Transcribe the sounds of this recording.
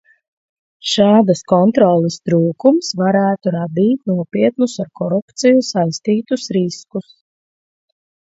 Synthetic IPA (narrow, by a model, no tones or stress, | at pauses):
ʃɑːd̪askɔnt̪ɾɔlˠist̪ɾuːkumsvaɾæːt̪uɾad̪iːt̪nuɔpʲiɛt̪nusaɾkɔɾupt̪sijusajst̪iːt̪usɾiskus